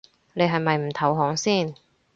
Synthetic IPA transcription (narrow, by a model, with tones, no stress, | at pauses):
ne˨˧jɦɐ˨jmɐ˨jm̩˨˩t̪ʰɐ˨˥wɦɔː˨˥ŋsiː˥˩n